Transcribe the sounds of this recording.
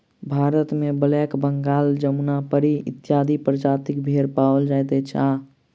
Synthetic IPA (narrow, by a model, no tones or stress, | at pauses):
bʱaːɾət̪mebəlɛkbəŋɡaːld͡ʒəmnapəɾiɪt̪jaːd̪ʱipɾəd͡ʒaːt̪ikbʱeɾpaːʋəld͡ʒajt̪et͡ʃʰa